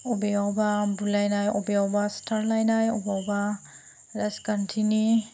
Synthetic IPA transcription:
ɔbeawbabulːajnajɔbeawbastʰaɾlajnajɔbawba | ɾaskantʰini

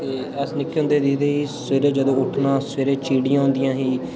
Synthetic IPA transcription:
t̪eː | ɛsnɪkːɦʊ̃nd̪eːd̪iːd̪eːɦiːseːɾeːd͡ʒəd̪õːʊʈʰnãːsʋeːɾeːt͡ʃiːɽijãːʊ̃nd̪ɪjãːɦiː

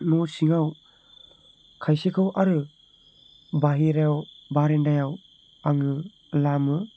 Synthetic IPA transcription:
nɔsiŋaw | kʰajsekʰɯwʔaɾɯ | baɦiɾajawbaɾendajaw | aŋɯ | lamɯ

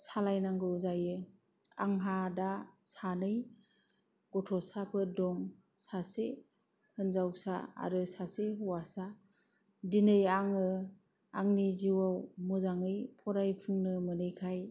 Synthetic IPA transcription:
salajnaŋɡɯzajɯ | a̰ŋɦadasanɯj | ɡ̥ɔtʰɔsapʰɯdɔŋ | sase | hɯnzawsa̰a̰ɾɯsaseɦɯwasa | dinɯjaŋɯ | aŋniziwawmɯzaŋɯjpʰɔɾajpʰɯŋnɯmɯnɯjkʰaj

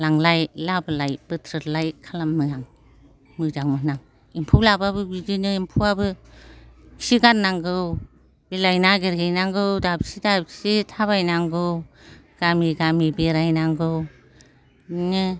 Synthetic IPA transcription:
laŋlajlabɯlajb̥ɯtʰɾɯlajkʰalamːɯaŋ | mɯd͡ʒaŋmɯnaŋ | impʰulababɯbid͡ʒinɯimpʰuabɯ | ksiɡannːaŋɡɯw | bilajnaɡeɾejnaŋɡɯwdabsidab̚sitʰaβajnaŋɡɯwɡ̥amiɡamibiɾajnaŋɡɯw | nɯ

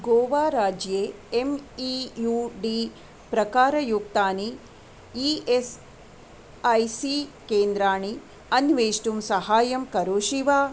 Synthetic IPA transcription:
ɡoːʋaːɾaːd͡ʒjeːemijuɖi | pɾɐkaːɾɐjuk̚t̪aːni | ies | ɐjsikeːnd̪ɾaːɳi | ɐnʋeːʃʈumsɐhaːjɐmkɐɾoːʃiʋaː

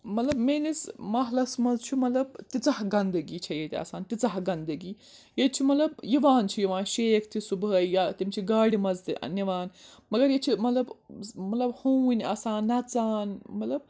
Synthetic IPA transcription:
mɐt̪lɐbmeːnismɐɦlɐsmɐzt͡ʃʰimɐt̪lɐb̚t̪it͡sɐɦɡɐnd̪ɨɡiːt͡ʃʰɐjet̪ia̰ːsaːnt̪it͡sɐɦɡɐnd̪ɐɡiː | jet͡ʃʰimɐt̪lɐbjiʋaːnt͡ʃʰijiʋaːnʃeːkʰt̪ʰisubɐjat̪imt͡ʃʰiɡaːɽimɐzt̪ḭniʋaːnmɐɡɐɾjet͡ʃʰimɐt̪lɐbmɐt̪lɐbhownʲaːsaːnːɐt͡saːnmɐt̪lɐb̚

